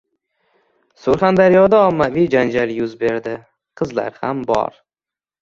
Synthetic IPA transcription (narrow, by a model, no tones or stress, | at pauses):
sʊɾχand̪aɾjɒd̪aɒmːavijd͡ʒand͡ʒaljʊzbe̞ɾd̪ɪ | qʰɨzla̰ɾhambɒ̰ɾ